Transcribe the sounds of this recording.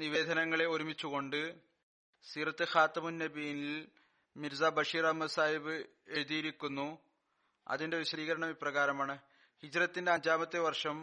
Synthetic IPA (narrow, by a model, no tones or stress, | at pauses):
niʋe̞ːd̪ʱɐnɐŋːɐɭe̞o̞ɾumit͡ɕːuɣo̞ɳɖɨ | st̪iːrɐt̪ːɨxaːt̪ːɐmunːebiːnil | miɾzaːbɐʂiːrɐmːɐsaːjiʋɨ | e̞ɻuðijiɾikʲːunːu | ɐ̰ðinde̞ʋiɕɐðiːɣɐɾɐɳɐmiprɐɣaːɾɐmaːɳɨ | hid͡ʑrɐt̪ːinde̞ɐɲd͡ʑaːmɐt̪ːeʋɐrʂɐm